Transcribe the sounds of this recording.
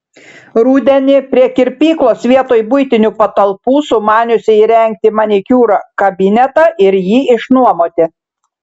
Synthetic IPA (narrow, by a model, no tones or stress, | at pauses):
ɾuːd̪ʲɛnʲɪpʲɾʲiɛkʲɪɾʲpʲiːklˠoːsʲʋʲiɛt̪oːjbʊjt̪ʲɪnʲupɐt̪ɐlˠpuːsʊmɑːnʲʊsʲɪiːɾʲɛŋʲk̚t̪ʲɪmɑnʲɪkʲuːɾɐkɐbʲɪnʲɛt̪ɑʔɪɾjiːɪʃnuɔmoːt̪ʲɪ